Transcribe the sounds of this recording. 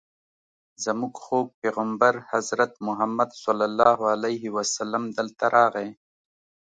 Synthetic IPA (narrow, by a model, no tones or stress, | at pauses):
zamuɡxok̚peɣambaɾhazɾat̪mʊɦamːad̪sɔlːalːɑːɦalajɦiwasalːamd̪əlt̪aɾʔɑːɣe